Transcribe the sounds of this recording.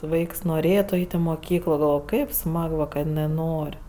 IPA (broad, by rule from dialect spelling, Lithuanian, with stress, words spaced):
ˈʋɐɪks noːˈrʲeːtʊ ˈɐɪtʲ ɪ moːˈkʲiːklˠoː ɡɐlˠˈʋoːj ˈkɐɪp ˈsmɐk ʋɐ kɐt ɪˈnɜ ˈnoːrʲ